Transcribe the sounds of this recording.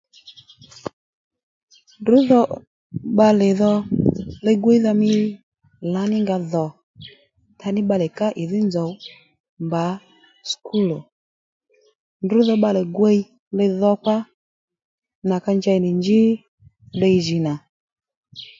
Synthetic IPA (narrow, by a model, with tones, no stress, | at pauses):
ndʊ˨˦ðɔ˧ | ɓa˧lɪ˨ðɔ˧lɛ˧ɡwɛ˦i˦ða˧mɪ˧˦ | la˨˦nɪ˦ŋɡa˧ðɔ˨ | tʰa˧nɪ˦ɓa˧lɛ˨ka˦ʔɪ˨ðɪ˦nzɔ˨˦ | mba˨˦ | skʰu˦lɔ˨ | ndʊ˨˦ðɔ˧ɓa˧lɛ˨ɡwe˦i˦ | lɪ˧ðɔ˧kwa˦ | na˨ka˧ɲd͡ʒa˧i˨nɪ˨ɲd͡ʒɪ˦ | be˧jʒi˨na˨